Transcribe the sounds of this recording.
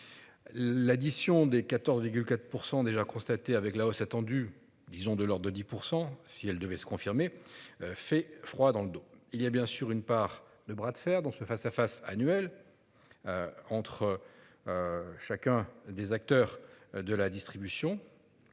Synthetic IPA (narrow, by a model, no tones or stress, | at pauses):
lad̪isjɔ̃d̪ekat̪ɔʁzviʁɡʲylkat̪χpuʁsɑ̃d̪eʒakɔ̃st̪at̪eavɛklaosat̪ɑ̃d̪y | d̪izɔ̃d̪əlɔʁd̪əd̪ipuʁsɑ̃siɛld̪əvɛsə̥kɔ̃fiʁme | fɛfχwad̪ɑ̃ləd̪oiliabjɛ̃syʁynpaʁ | d̪əbʁad̪fɛʁd̪ɑ̃səfasafasanɥɛl | øɑ̃t̪χə | ʃakʲɛ̃d̪ezak̚t̪œʁd̪əlad̪ist̪χibysjɔ̃